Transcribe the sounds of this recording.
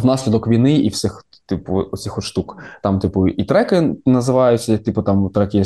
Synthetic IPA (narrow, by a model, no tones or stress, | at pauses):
nɑsʲlʲid̪ɔkʋʲijnɪiwsʲɪx | t̪ɪpʊʊsʲixɔʃt̪ukt̪ɑmt̪ɪpʊit̪ɾɛkɪnɐzɪʋɑjʊt͡sʲɐt̪ʲipʊt̪ɑmt̪ɾɛkɪjɛ